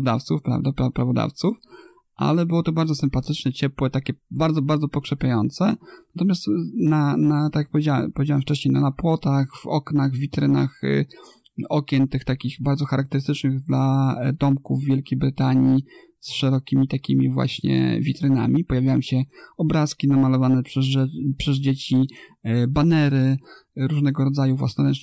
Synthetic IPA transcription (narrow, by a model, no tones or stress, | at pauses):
d̪aft̪sufpɾa̰vd̪apɾapɾavɔd̪a̰ft̪suf | ʔa̰lɛbɘwɔt̪ɔbaɾd̪zɔsɘmpat̪ɘt͡ʂnɛt͡ɕɛpwɛt̪akʲɛbaɾd̪zɔbaɾd̪zɔpɔkʂɛpʲjajɔnt̪sɛnat̪ɔmʲjast̪nanat̪akjak̚pɔvʲjed͡ʑawpɔvʲed͡ʑawamft͡ʂɛɕɲejnanapwɔt̪axvɔ̰knaɣvʲit̪ɾɘnax | ɔkʲɛnt̪ɘxt̪akʲixbaɾd̪zɔxaɾʔak̚t̪ɛɾɘst̪ɘt͡ʂnɘɣd̪lad̪ɔmkuvːjelkʲejbɾɘt̪aɲi | sʂɛɾɔkʲimʲit̪akʲimʲivwa̰ɕɲɛ̰vʲit̪ɾɘna̰mʲipɔjavʲajɔwɕɛɔbɾaskʲinamalɔvanɛɛpʂɛzd͡ʑet͡ɕi | banɛɾɘ | ɾuʐnɛɡɔɾɔd̪zajuvwa̰snɔɾɛn